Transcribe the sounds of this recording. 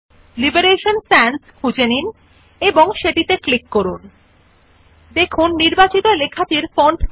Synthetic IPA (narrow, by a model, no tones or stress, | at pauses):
libeɾeʃonsɛnskʰud͡ʑenin | eboŋʃeʈit̪eklikːoɾun | d̪ekʰunːiɾbat͡ɕit̪olekʰat̪iɾfɔɳʈ